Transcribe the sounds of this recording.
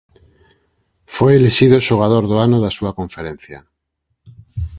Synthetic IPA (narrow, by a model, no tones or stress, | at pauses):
fojeleʃiðoʃoɣ̞að̞oɾðoanoðasuakoɱfeɾẽn̟θja̰